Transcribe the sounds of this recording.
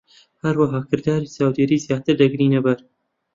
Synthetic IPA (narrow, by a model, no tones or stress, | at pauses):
hɐɾwaɦaːkɨɾd̪aːɾiːsaːwd̪eɾiːzjaːt̪ɨɾd̪ɐɡɾiːnɐbɐɾ